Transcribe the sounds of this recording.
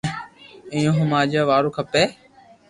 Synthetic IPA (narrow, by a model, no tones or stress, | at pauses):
ĩːjõːɦʊmaːd͡ʒaːʋaːɾoːkʰəpeː